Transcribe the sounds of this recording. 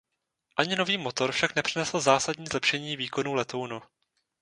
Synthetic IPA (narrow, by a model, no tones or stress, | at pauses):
ʔaɲɪno̞viːmo̞t̪o̞ɾfʃaknɛpr̥ɪnɛsl̩zaːsadɲiːzlɛpʃɛɲiːviːko̞nuːlɛt̪o̞wnu